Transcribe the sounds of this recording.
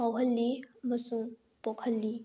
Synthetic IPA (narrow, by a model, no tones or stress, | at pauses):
awɦəlːimɐsũŋ | pɔkʰəlːi